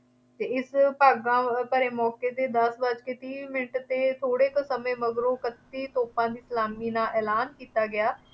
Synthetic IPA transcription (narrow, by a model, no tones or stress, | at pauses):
t̪eːɪspaːɡãːpəɾeːmɔːkeːt̪eːd̪əsbəd͡ʒkeːt̪ĩːmɪnʈt̪eːt̪ʰoːɽeːt̪əsəmẽːməɡɾõːkət̪ːiːt̪oːpãːd̪iːslaːmiːnãːʔɛːlaːnkiːt̪aːɡɪjaː